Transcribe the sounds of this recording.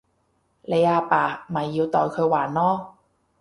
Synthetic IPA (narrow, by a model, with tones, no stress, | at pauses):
le˨˧jʔaː˧paː˨˩maː˨˩jːi˧˥˧wt̪ɔː˨˩jkʰɤː˧jwaː˨˩nːɔː˥